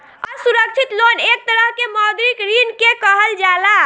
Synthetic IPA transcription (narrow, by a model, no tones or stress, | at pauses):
ɔsuɾək̚t͡ʃʰit̪lonek̚t̪əɾəɦkemɔd̪ɾikɾinkekəɦəld͡ʒala